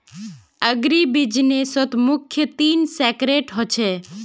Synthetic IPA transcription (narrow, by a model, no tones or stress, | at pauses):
əɡɾibid͡ʒnesɔt̪mʊkʰːjət̪iːnsekɾeʈɦɔt͡ʃʰe